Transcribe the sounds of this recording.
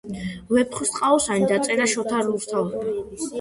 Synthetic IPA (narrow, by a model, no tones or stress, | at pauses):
vɛpʰχust̪ʼqʼaɔsanid̪at̪sʼɛɾaʃɔt̪ʰaluɾt̪ʰav